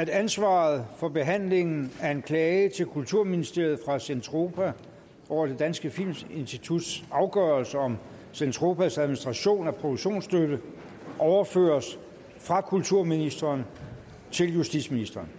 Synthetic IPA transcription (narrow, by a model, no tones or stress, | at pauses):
æd̥ænsʋɑ̈ːð̩ˠfɒ̽b̥e̝ɦæn̰le̝ŋn̩æɐe̝nkʰlɛːɪət͡sʰe̝lkʰult͡sʰuɐ̰minisd̥e̝ɐ̰ð̩ˠfʁɑ̈sent͡sʰʁo̝pʰæ | ʔɒʊ̰ɐd̥e̝d̥ænsɡ̥əfil̰mse̝nsd̥it͡sʰud̥sɑ̈ʊɡ̥œɐlsəɒ̽m | sent͡sʰʁo̝ːpʰæsæðˠminisd̥ʁɑ̈ɕo̝̰ːnæpʰʁo̝d̥u̥ɕo̝̰ːnsd̥ød̥ə | ʔɒʊɐfø̰ːɐs | fʁɑ̈kʰult͡sʰuɐ̰minisd̥ɐːn | t͡sʰe̝ljusd̥id̥sminisd̥ɐːn